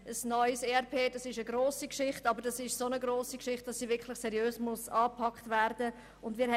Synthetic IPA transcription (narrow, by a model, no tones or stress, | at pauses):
əsnɔʏseɛɾpʰeːdɑsɪʃəɡɾoːsikʃɪχtɑbəɾdɑsɪʃsonəɡɾoːsikʃɪχt̚d̥ɑsːiːvɪɾkʰlɪχsɛɾjøːsmʊsɑːpʰɑktvɛɾdə | ʊndmɪːɾhɛ